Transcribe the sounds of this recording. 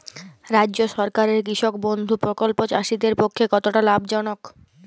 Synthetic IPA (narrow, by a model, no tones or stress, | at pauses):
ɾadːʑoʃɔɾkaɾeɾkiʃok̚bond̪ʱupɾokolpod͡ʑaʃid̪eɾpokʰːekɔt̪oʈalabd͡ʑɔnok